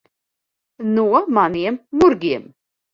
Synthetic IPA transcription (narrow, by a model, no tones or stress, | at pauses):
nuæmɑnimːʊɾɡim